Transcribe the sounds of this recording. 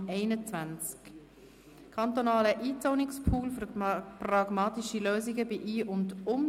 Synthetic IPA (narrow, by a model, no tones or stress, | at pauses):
ɛɪnət͡svænt͡sk | kʰɑnt̪onɑːləʔiːt͡soːnɪkspʰuːlfprɑɡ̥mɑːtiʃiløːziɡəbɪʔiːʔʊndʊm